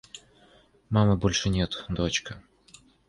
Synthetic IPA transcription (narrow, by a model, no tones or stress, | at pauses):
mamɨbolʲʂɨnʲɛt̪d̪ot͡ɕkɐ